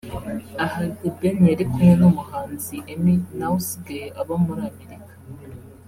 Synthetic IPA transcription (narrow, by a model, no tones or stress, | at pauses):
ahaibeneɾikʰumenumuhaːnziʔeminawusiɡajeʔaβamuɾamiɾikḁ